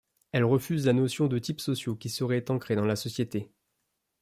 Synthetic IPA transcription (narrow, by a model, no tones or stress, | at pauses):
ɛlʁəfyzlanɔsjɔ̃d̪ət̪ipsɔsjokʲisəʁɛt̪ɑ̃kχed̪ɑ̃lasɔsjet̪e